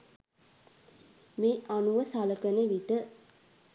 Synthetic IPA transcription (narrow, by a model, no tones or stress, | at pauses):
meːʔanuʋəsaləkənəʋiʈə